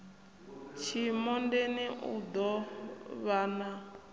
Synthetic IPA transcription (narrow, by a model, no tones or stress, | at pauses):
t͡ʃʰimɔndeniʔṵd̪ɔβana